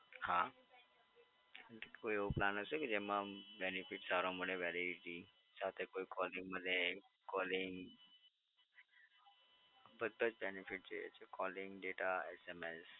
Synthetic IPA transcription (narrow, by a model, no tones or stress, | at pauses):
hã | koieoplanəsekid͡ʑemabenifiʈsaɾõmuɽeʋɛɾiiʈi | t͡ɕaɦt̪ekoikɔliŋɡməd̪ʱje | kɔliŋɡ | bəd̪ʱːət͡sbenifiʈ̚d͡ʑejḛt͡ʃʰekɔliŋɡɖeʈaesemes